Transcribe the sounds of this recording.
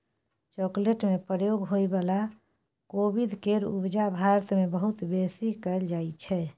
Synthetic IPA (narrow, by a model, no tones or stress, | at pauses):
t͡ʃokleʈmepɾəjoɡɦojbala | kobid̪keɾṵbd͡ʒabʱaɾt̪mebəɦut̪besikɛld͡ʒajt͡ʃʰɛ